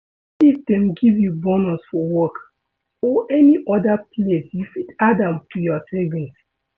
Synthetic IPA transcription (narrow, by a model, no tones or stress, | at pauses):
ifdẽmɡivjubɔnɔ̃sfɔwɔk | ɔʔɛniʔɔdaplesjufitadãmtujɔseɡĩns